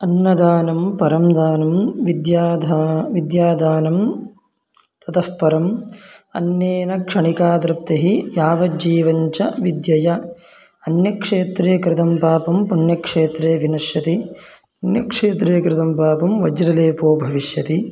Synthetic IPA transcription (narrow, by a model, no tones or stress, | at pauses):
ɐnːɐd̪aːnɐmpɐɾɐmd̪aːnɐmʋid̪jaːd̪ʱaʋid̪jaːd̪ʱaːnɐm | t̪ɐt̪ɐhpɐɾɐmɐ̰njeːnɐkʂɐɳikaːd̪ɾɐp̚t̪eɦijaːʋɐd͡ʒiːʋɐɲt͡ʃɐʋid̪jɐjɐ | ɐnjɐkʂeːt̪ɾeːkɾɪt̪ɐmpaːpɐmpɐnjɐkʂeːt̪ɾeːʋinɐʂjɐt̪i | ɐnjɐkʂeːt̪ɾeːkɾɪt̪ɐmpaːpɐmʋɐd͡ʒɾɐleːpoːbʱɐʋiʂjɐt̪i